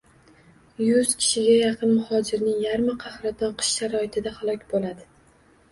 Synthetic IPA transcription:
jʊz̥kʲʰɪ̥ʃɪɡʲajɑqʰɨnmʊhɒd͡ʒɪɾnɪŋjaɾmaqʰɑhɾat̪ʰɒnqʰɨ̥ʃʃaɾɒɪt̪ʰɪd̪ahalˠɒkʲbolad̪ɪ

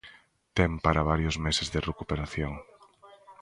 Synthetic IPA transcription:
t̪empaɾaβ̞aɾjoʊzmesezðerekupeɾaθjoŋ

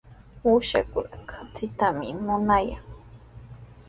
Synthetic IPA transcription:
uʃa̰kʊnakʰḁt͡sɪt̪amɪ̰mʊnajaŋ

